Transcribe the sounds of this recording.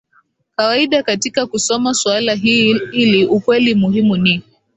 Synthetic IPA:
kawaiɗakatikakusɔmaswalaɦiiliukwɛlimuɦimuni

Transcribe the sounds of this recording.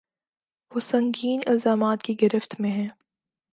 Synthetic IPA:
ʋoːsɐ̃ŋɡiːnɪlzaːmaːt̪kiɡɪɾɪft̪mẽɦɛ̃ː

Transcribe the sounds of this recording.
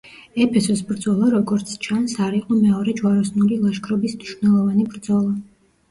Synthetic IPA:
ɛpʰɛsɔsbɾd̪zɔlˠaɾɔɡɔɾt̪sʰt͡ʃʰansaɾiqʼɔmɛɔɾɛd͡ʒwaɾɔsnulilˠaʃkʰɾɔbismniʃunɛlˠɔvanibɾd̪zɔlˠa

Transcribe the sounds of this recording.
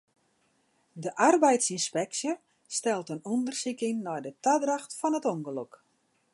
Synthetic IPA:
dəʔarbɛjtsinspɛksjə | stɛlˠtənondərsikɪŋnɔjdətadraxtfɔnətoŋɡəlok

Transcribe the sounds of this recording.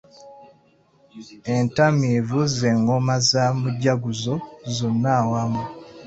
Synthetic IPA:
entamivuzeŋɡomazamuɟaɡuzozonːawamu

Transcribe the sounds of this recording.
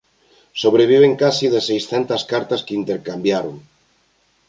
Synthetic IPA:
soβ̞ɾeβ̞iβ̞eŋkasiðesejsθent̪askaɾt̪askeint̪eɾkambjaɾoŋ

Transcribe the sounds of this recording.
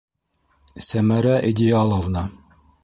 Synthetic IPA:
sæmæɾæʔid̪ʲijɑlˠovnɑ

